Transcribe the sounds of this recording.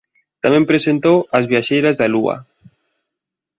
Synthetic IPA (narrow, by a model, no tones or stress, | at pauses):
t̪amẽmpɾesent̪owɐzβjaʃejɾazðalua̰